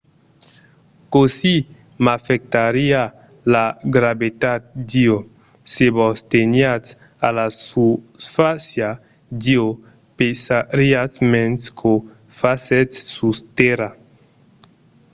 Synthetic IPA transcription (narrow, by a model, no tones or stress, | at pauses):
kosi | mafek̚t̪aɾia | laɡɾabet̪at̪̚d̪io | sebost̪enjat͡s | a̰lasufasja | d̪io | pesaɾiasmẽnskʰo | fasetːust̪eɾa